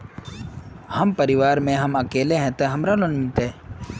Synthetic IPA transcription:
hɐmpɐɾɪʋaːɾmẽɦɐmɐkeːleɦɛ̃t̪eɦɐmɾalonmɪlt̪ɛː

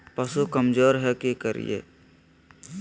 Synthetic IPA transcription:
pɐsukəmd͡ʒoːɾɦɛkekəɾḭjḛː

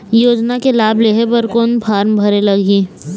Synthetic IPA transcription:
joːd͡ʒnakelaːbleːɦəɾpɐɾkoːnpʰaːɾmbʱɐɾelɐɡiː

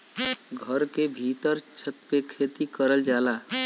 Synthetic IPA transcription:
ɡʱəɾkebʱit̪əɾt͡ʃʰət̪̚pekʰeːt̪ikəɾəld͡ʒaːlaː

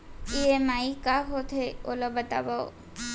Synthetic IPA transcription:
iemaikaɦot̪ʰeolɔbət̪a̰bao̰

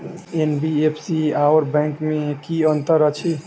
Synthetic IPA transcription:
enbiepʰsiaɔɾbɛ̃ŋkmekiənt̪əɾət͡ʃʰi

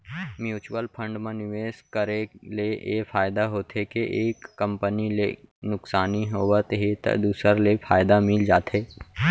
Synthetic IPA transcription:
mjuːt͡ʃwəlpʰə̃ɳɖmẽnɪʋeːskəɾeleʔḛfʰaːjd̪aɦoːt̪ʰekeʔeːkːə̃mpənilenʊksaːniɦoʋət̪ɦit̪ə̰d̪uːsəɾlepʰaːjd̪amɪld͡ʒaːt̪ɦeː

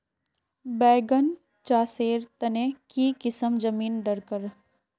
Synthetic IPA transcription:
bɛːɡən | t͡ʃaːseːɾt̪ɐnekiːkɪsəmd͡ʒɐmiːnɖɐɾkəɾ

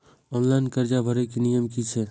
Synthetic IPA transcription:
ɔːnlaɪnkəɾd͡ʒabʱəɾekinijəmkit͡ʃʰe

